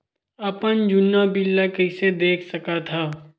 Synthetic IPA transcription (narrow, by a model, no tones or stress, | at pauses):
ɐpənd͡ʒʊnːabɪlːakɐɪsed̪eːkʰsɐkat̪ʰaː